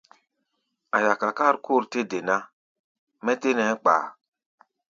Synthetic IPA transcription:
a˨ja˨ka˨ka˦˨ɾko˦˨ɾte˦de˨na˦ | mɛ˦te˦nɛ˨˦k͡pa̰ː˨

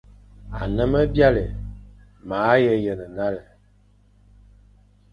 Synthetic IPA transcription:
a̰˨nə˦mə˦bja˦lə˨ | maː˨˦jə˦jə˨nə˨na˦lə˨

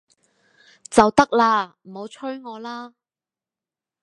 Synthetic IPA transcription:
t͡sɐ˨wt̪ɐ˥k̚laː˧m̩˨˩ho˨˧wt͡ʃʰɵ˥ɥŋɔː˨˧laː˥

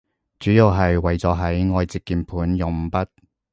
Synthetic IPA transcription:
t͡syː˨˥ji˨˧wɦɐ˨jwɐ˨jt͡sɔː˨˧ɦɐ˨˥jŋɔː˨˧jt͡sɪ˨kːiː˨˧npʰuː˨˥njʊ˨˧ŋ̩˨pɐ˥t̚

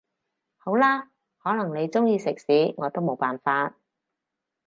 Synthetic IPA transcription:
ho˨˥wlaː˥ | hɔː˨˥nɐ˨˩ŋne˨˧jt͡sʊ˥ŋjiː˧sɪ˨k̚siː˨˥ŋɔː˨˧t̪o˥wmo˨˧wpaː˨˩nfaː˧t̚

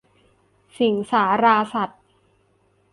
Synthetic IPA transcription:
si˨˩˦ŋsaː˩˦ɾaː˧sa˨˩t̪̚

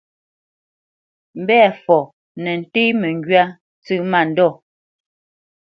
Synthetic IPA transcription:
m̩˦bɛ˦˨fɔ˨ | nɛ˨n̩˨te˦mɛ˨ŋ˨ɡɥa˦ | t͡sʉ˦ma˦˨n̩˨dɔ˦˨

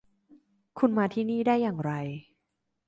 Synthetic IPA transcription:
kʰu˧nmaː˧t̪ʰiː˥˩niː˥˩daː˥˩jːaː˨˩ŋɾa˧j

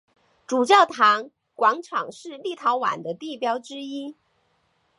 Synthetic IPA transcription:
ʈ͡ʂu˨˩t͡ɕjɑ˥˩ʊt̪ʰɑ˧˥ŋ | kwɑ˧˥ŋʈ͡ʂʰɑ˨˩ŋʂɻ̩˥˧li˥˩t̪ʰɑ˧˥ʊwa̰˨˩nd̪ə˦t̪i˥˩pjɑ˥ʊʈ͡ʂɻ̩˥i˥

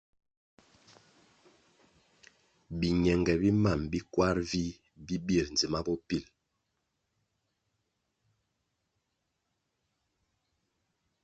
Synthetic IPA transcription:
bi˨ɲɛ˨ŋɡɛ˨bi˦ma˦˨mbi˦kwa˦ɾvi˦ | bi˦bi˦˨ɾn̩˨d͡zi˨ma˦bɔ˦pi˦˨l

